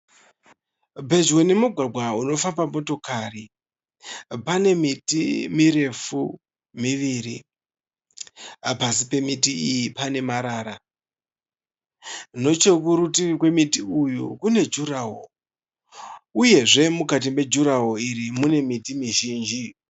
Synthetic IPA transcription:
bʱe̞d͡ʒwe̞ne̞muɡʱwabʱwauno̞fabamo̞to̞kari | pane̞mitimiɾe̞fu | miʋiɾi | apasipe̞mitiijipane̞maɾaːɾa | no̞t͡ʃe̞k̬uɾutikwe̞mitiujṵkune̞d͡ʒuɾaɦo | uje̞ʐe̞mukat̬ime̞d͡ʒuɾaɦoiɾimune̞mitimiʒiːnd͡ʒi

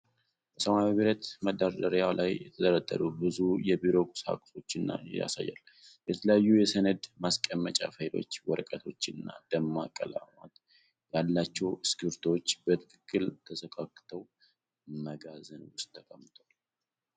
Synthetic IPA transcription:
b̥əsəmaiβiɾət̪məd̪aɾd̪əɾjalajjɛt̪ʰəd̪əɾəd̪ʼːə̰ɾubɨzujɛbiɾo̞kʼu̥sa̰kʼso̞t͡ʃːɨnːa̰ja̰sa̰jːa̰l | jɛt̪ʰələjajːujɛsənəd̪maskʼəmːət͡ʃʼa̰fəjlo̞̰t͡ʃːwɔɾkʼət̪ʰo̞t͡ʃːɨnːa̰d̪̥əmːakʼəla̰mat̪ | jalːat͡ʃːɛwɨskɨɾt̪ʰo̞t͡ʃːbət̪ʰɨ̥kʰɨkʰʼːɨlt̪ʰəsəkʼakʼːt̪ʰəw | məɡazənwʊst̪ʼːəkʼəmːɨt̪ʰwal

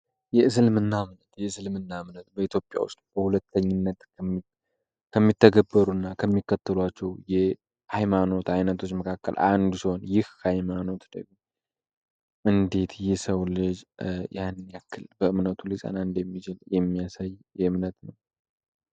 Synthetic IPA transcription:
jɛɨs̬ɨlmɨnːamnət̪jɛɨsɨlmɨnːamnət̪bəit̪ʰjopʼːja̰wʊ̰st̪b̥əhulət̪ʰːəɲːɪnːət̪ | kʰəmːit̪ʰːəɡəbːəɾuɨnːakʰəmːikːət̪ʰːəlwat͡ʃːɛwjɛ | hajmano̞t̪ajnət̪ʰo̞t͡ʃːməkʰakːə̰lʔand̪usiho̞njɪhkʰajmano̞t̪d̪əɡi | ʔɨnd̪e̞t̪jɪhsəwlɨd͡ʒjʔanːjakːɨlbəɨmnət̪ʰulisʼa̰naɨnd̪jɛmːit͡ʃɪljɛmːiasajjɛɨmnət̪nəw

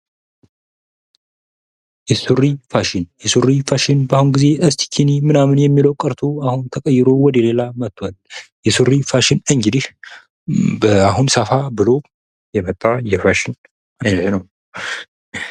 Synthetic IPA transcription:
jɛsurifaʃɪnjɛsurifaʃɪnbahunɡize̞əst̪ʰi̥kʰinimɨnamɨnjɛmːiləwkʼəɾt̪ʰo̞ahunt̪ʰəkʼəjːɪɾo̞wɔd̪əle̞lamət̪ʰːwaljɛsɨrifaʃɪnɨŋɡɨd̪ih | bəaɦunsəfabɨlo̞ | jɛmət̪ʼːajɛfaʃɪn | aɲhnəw

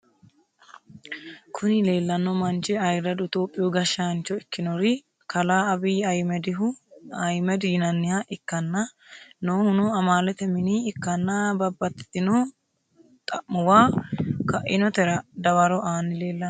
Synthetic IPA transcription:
kʰʊnɪle̞ːlːɐnːɔmɐnt͡ʃɛɐjɾɐd̪ʊt̪oːpʼːɪjɔɡɐʃːant͡ʃːɔɪkːɪnɔɾɪ | kɐlaːɐbɪːɐjmɛd̪ɪʊɐjmɛd̪ɪjɪnɐnːɪjaʔɪkːɐnːɐ | noːhʊnoɐmaːlɛt̪ɛmɪniːɪkːɐnːabɐbːɐt̪t̪ːɪnoː | t̪ʼɐʔʊwaːkɐʔɪnɔt̪ɛɾɐd̪ɐwɐɾɔʔaːnːɪle̞ːlːɐ

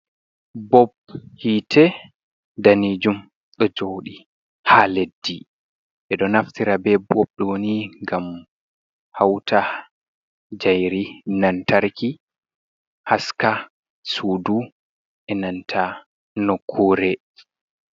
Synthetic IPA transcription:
bɔbhiːtʰɛ | danid͡ʒum | ɗɔd͡ʒowɗi | haledːi | ʔɛɗɔnaftiɾabɛbɔb̚ɗɛwoniŋɡam | hawtʰa | d͡ʒajɾinantaɾki | haska | suːdu | ʔɛnantʰa | nɔkʰːoɾɛ

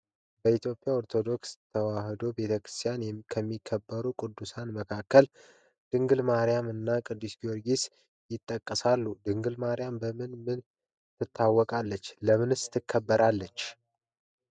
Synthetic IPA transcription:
bəit̪ʰjo̞pʼjaoɾt̪ʰo̞d̪o̞kst̪ʰəwahd̪o̞be̞t̪ʰəkɾɨst̪ʰijanjɛkʰəmːikʰːəbːəɾukʼɨd̪ːusanməkʰakːəl | d̪̥ɨŋɡɨlmaɾijamɨnːakʼɨd̪ːɨsɡioɾɡis | jɪt̪ʼːəkʼːəsalːud̪ɨŋɡɨlmaɾɪjambəmɨnmɨn | t̪ʰɨt̪ʰːawːɔkʼalːət͡ʃːləmɨnɨsɨ̥t̪ʰːɨkʰːəbːəɾalːət͡ʃː

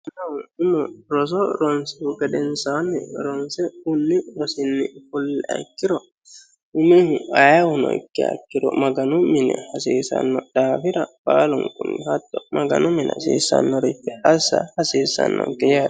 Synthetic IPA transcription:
nɐwɪmɔɾɔs̬ɔɾɔnsɛʊɡɐd̪ɛnsaːnːɪɾɔnsɛʊnːɪɾɔsɪnːɪfʊlːɛʔɐ̰kːɪɾɔ | ʊmihʊɐjɐwʊnɔ̰ɪ̰kːɪɐ̰kːɪɾɔ̰mɐɡɐnʊmːɪnɛ̰hɐsiːsɐ̰nːɔd̪̥aːfɪɾɐb̥aːlʊŋkʊnːɪhɐt̪ːɔmɐɡɐ̰nʔʊmɪnsḭːsɐ̰nːɔɾɪfːɛɐsːɐ̰hɐsiːsːɐ̰nːɔ̰kɛjaː

